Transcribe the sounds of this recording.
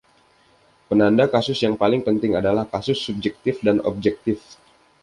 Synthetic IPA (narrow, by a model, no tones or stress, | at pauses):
pənandakasʊsjaŋpalɪŋpənt̪ɪŋadalahkasʊsːub̚d͡ʒɛk̚t̪ɪfdanɔ̰b̚d͡ʒɛk̚t̪ɪf